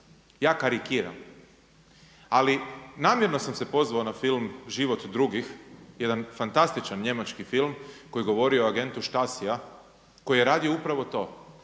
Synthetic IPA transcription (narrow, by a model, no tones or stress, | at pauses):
jaːkaɾikiːɾa̰m | alinaːmjeɾno̞samse̞po̞zʋaonafilmʒiʋo̞t̪d̪ɾuɡixje̞d̪anfant̪ast̪it͡ʃanɲe̞mat͡ʃkifilˠmko̞jiɡo̞ʋo̞ɾio̞aɡe̞nt̪uʃt̪asia | ko̞jijeɾaːd̪io̞upɾaʋo̞t̪o̞ː